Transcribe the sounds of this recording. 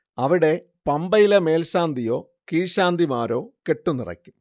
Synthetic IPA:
ɐʋiɽe̞ | pɐmbɐjilɐme̞ːlɕaːnd̪ʱijo̞ː | kiːɕaːnd̪ʱimaːɾo̞̰ːke̞ʈːunːirɐ̰kʲːum

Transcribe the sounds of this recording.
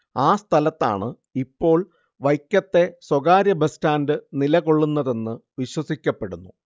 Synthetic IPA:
aːst̪ʰɐlɐt̪ːa̰ːɳɨ | ipːo̞ːɭ | ʋɐjkʲːɐt̪ːe̞swɐɣaːɾjɐbɐstaːndɨnilɐko̞ɭːunːɐðe̞nːɨʋiɕwɐsikʲːɐpːe̞ɽunːu

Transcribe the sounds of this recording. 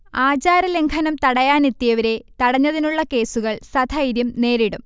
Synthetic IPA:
aːd͡ʑaːɾɐleŋkʰɐnɐmt̪ɐɽɐjaːnet̪ːijɐʋɐɾe̞t̪ɐɽɐɲːɐðinuɭːɐke̞ːsuɣɐɭsɐd̪ʱʰɐjɾjumne̞ːɾiɽum

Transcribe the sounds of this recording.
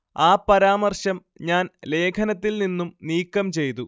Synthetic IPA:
aːpːɐɾaːmɐrɕɐm | ɲaːnle̞ːkʰɐnɐt̪ːilninːumniːkːɐmt͡ɕe̞jt̪u

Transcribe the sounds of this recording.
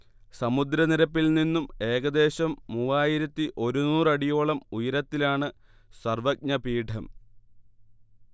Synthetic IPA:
sɐmud̪ɾɐniɾɐpːilninːume̞ːɣɐd̪e̞ːɕɐmːuːaːjiɾɐt̪ːiʔo̞ɾunuːrɐɽijo̞ːɭɐmujɐɾɐt̪ːilaːɳɨ | sɐrʋɐk̚ɲɐpiːʈʰɐm

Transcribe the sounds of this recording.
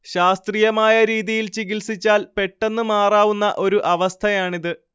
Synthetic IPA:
ɕaːst̪rijɐmaːjɐɾiːðijilt͡ɕiɡilsit͡ɕːaːlpe̞ʈːe̞nːɨmaːraːʋunːɐʔo̞ɾuʔɐʋɐst̪ʰɐjaːɳiðɨ

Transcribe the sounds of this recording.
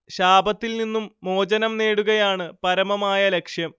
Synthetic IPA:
ɕaːbɐt̪ːilninːumːo̞ːd͡ʑɐnɐmne̞ːɽuɣɐjaːɳɨpɐɾɐmɐmaːjɐle̞kʂjɐm

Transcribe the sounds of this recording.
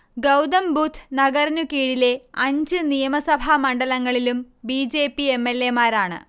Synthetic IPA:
ɡɐwd̪ɐmbuːt̪ʰnɐɡɐrnukiːɽile̞ɐɲd͡ʑɨnijɐmɐsɐbʱamɐɳɖɐlɐŋːɐɭilum | biːd͡ʑe̞ːpːie̞mːelːe̞maːɾaːɳɨ̰

